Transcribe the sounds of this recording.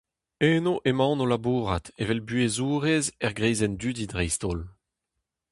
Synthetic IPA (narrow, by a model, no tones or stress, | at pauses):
eːnoʔemɑ̃nolabuːʁat̪evɛlbyezuːʁezɛʁɡʁɛjzɛnd̪ydidʁɛjst̪oːl